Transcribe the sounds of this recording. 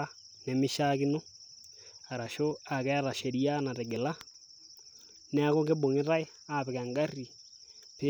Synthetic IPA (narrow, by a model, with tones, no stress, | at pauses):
a˦ | ne˨mi˦ʃa˦ki˦no˦ | a˨ɾa˨ʃo˦a˨kɛ˦a˦ɾa˨ʃe˨ɾi˦a˦na˨ɾe˨ɡe˨la˦ | ne˦a˦ko˦ɡe˦bo˨ŋi˦ɾa˦e˦ | a˦˨βe˨ɣa˨ŋɡa˦ri˨ | pe˦